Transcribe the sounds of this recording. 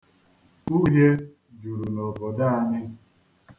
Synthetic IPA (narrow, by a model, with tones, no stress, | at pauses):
u˦ɦe˦ | d͡ʒu˨ɾu˨nɔ˨bɔ˨da˦a˦nɪ˦